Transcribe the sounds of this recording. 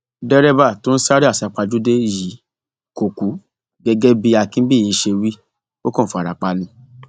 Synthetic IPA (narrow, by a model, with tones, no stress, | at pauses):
dɛ˦ɾɛ˦ba˦˨to˦n̩˦sa˦ɾi˦a˦˨sa˨˦k͡pa˧d͡ʒu˦de˦˨ji˨˦ | ko˨ku˨˦ | ɡɛ˧ɡɛ˦bi˦a˧kĩ˦n̩˦bi˦˨i˨˧˦ʃe˧wi˦ | o˦kɔ̃˦˨fa˨ɾa˨k͡pa˧nĩ˧